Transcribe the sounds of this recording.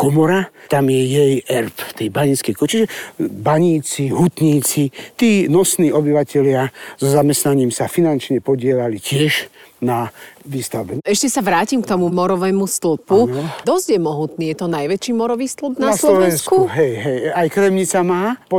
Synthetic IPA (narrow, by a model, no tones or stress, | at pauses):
kɔmɔɾat̪amjɛjɛjɛɾp̪ft̪ɛjbaɲit͡skɛjkɔt͡ʃiʒɛbaɲiːt͡siɦut̪ɲiːt͡sit̪iːnɔsniːʔɔbiʋacɛlɪaz̥ɔzamɛst̪naɲiːmsafinant͡ʃɲɛpɔɟɪɛlalicɪɛʒnaʋiːst̪aʊbɛɛʃcɛsaʋɾaːcimkt̪ɔmumɔɾɔʋɛːmust̪lupud̪ɔscjɛmɔɦut̪niːjɛt̪ɔnajʋɛt͡ʃiːmɔɾɔʋiːst̪lupnasllɔʋɛɛnsskuɦɛjɦɛjajkɾɛmɲit͡samaːpɔ